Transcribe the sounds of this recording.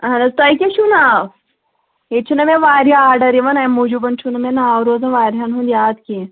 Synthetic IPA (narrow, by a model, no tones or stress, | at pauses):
ɦɐ̃nɐst̪ɐjkʲeʃuna | ɦet͡ʃʰunɐmẽʋaːɾjaaːɾɖɐɾiʋɐnamud͡ʒubɐnt͡ʃʰunɐmẽnaːwɾoːzɐʋaːɾʲɦanɦũnd̪jaːd̪ki